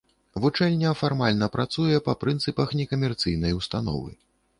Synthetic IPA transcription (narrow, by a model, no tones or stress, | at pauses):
vut͡ʂɛlʲnʲːɐfarmalʲnɐpɾat̪sujɛpɐpɾɨnt̪sɨpɐxnʲɛkɐmʲɛrt̪sɨjnɐjwst̪an̪ɔ̰vɨ̰